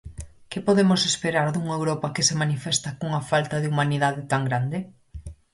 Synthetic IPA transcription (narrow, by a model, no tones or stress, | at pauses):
kɪpoðemosespeɾaɾðuŋaewɾɔpɐkɪsemanifɛst̪ɐkuŋɐfalt̪ɐðɪumaniðaðɪt̪aŋɡɾand̪ɪ